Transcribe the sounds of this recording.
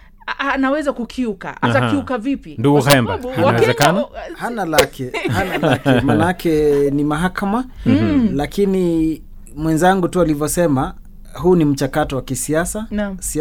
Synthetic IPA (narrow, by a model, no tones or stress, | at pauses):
anawɛzakukʰiuka̰ʔatakiukavipinduɡuhɛmbainawɛzɛkanahanalakɛhanalakɛmanakɛnimaɦakama | lakini | mwɛnzaŋɡutualivjɔsɛma | ɦunim̩t͡ʃakatɔwakisiasansi